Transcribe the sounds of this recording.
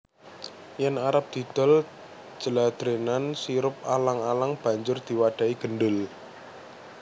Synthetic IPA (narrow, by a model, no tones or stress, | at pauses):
janaɾap̚d̪̥i̤d̪̥ɔ̤l | d͡ʒ̥əlad̪̥ɾenansiɾʊp̚alaŋalaŋb̥a̤ɲd͡ʒʊrd̪̥i̤waɖ̥a̤iɡ̥ənɖʊl